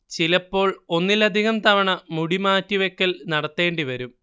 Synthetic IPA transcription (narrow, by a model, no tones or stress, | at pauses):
t͡ɕilɐpːo̞ːɭo̞nːilɐd̪ʱiɣɐmt̪ɐʋɐɳɐmuɽimaːtːiʋekːɐlnɐɽɐt̪ːe̞ːɳɖiʋɐɾum